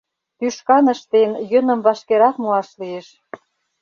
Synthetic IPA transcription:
t̪yʃkɑnə̆ʃt̪enjø̆nə̆mvɑʃkeɾɑkmuɑʃlieʃ

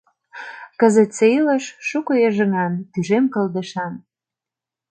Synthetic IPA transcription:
kəzə̆t̪t͡sejləʃʃukojeʒə̆ŋɑnt̪yʒemkə̆ld̪ə̆ʃɑn

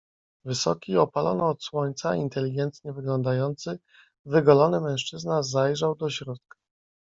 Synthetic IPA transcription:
vɘsɔkʲiɔpalɔ̰nɔːt̪swɔɲt̪saint̪ɛlʲiɡɛnt̪ɲɛvɘɡlɔnd̪ajɔnt̪sɘ | vɘɡɔlɔnɘmɛ̃w̃ʂt͡ʂɘznazajʐawd̪ɔɕɾɔt̪̚kḁ

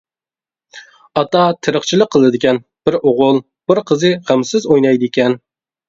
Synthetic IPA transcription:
ɑt̪ɑt̪ʰɪɾəχt͡ʃʰilˠəqʰːəlˠdɨd̪ɪkʲɛn | b̥ɪɾoʁʊlˠ | b̥ɪɾqʰəzɨχæmsɪzojnɑjd̪ɪekʲɛn

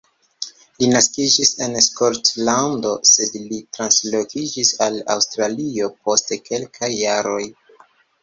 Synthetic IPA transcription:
linaskid͡ʒise̞nskoɾtlando̞se̞dlitɾanslo̞kid͡ʒisala̰wstɾalio̞pʰo̞steke̞lkʰajːaɾo̞j

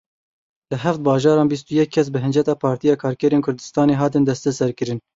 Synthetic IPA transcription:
lɨɦæft̪̚bɑːʒɑːɾɑːnbis̬t̪ujɛkʰːɛs̬bɨɦɨnd͡ʒɛt̪ɑːpʰɑːɾt̪ijɑːkʰɑːɾkɛɾeːnkʰʊɾd̪ɨst̪ɑːneːɦɑːt̪ɨnd̪ɛst̪ɛsɛɾkɨɾɨn

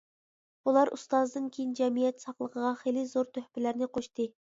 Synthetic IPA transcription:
bulˠɑɾʔṵst̪ɑzd̪ɨnkʲʰejind͡ʒɛmijɛt̪sɑχlˠəqəʁɑχelɪzoɾt̪ʰøhpɪlæɾnɪqʰoʃt̪ɨ

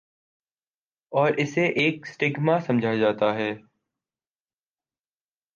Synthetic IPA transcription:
ɔːɾʔɪseʔeːksʈɪɡmãsɐ̃md͡ʒʱad͡ʒaːt̪aɦɛː

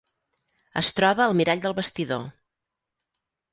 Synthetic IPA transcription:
ə̰st̪ɾɔβəːlˠmiɾaʎd̪əlˠβəst̪iðo̰

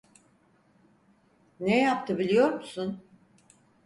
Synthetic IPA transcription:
nejapt̪ʰɯbilʲijo̞ɾmusun

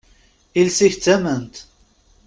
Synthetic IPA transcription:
ilsiçt͡sːæmənt̪

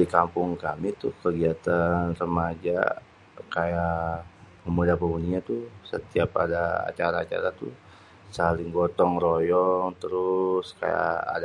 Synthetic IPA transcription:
ikampʊŋkamit̪ʊhkəɡiat̪anrəmad͡ʒa̰ | kaja | kəmudapəɡuniat̪usə̰t̪iapa̰daa̰t͡ʃaɾaːt͡ʃa̰ɾat̪u | salɪŋɡɔt̪ɔŋrojɔŋt̪əɾʊska̰ja̰ːd

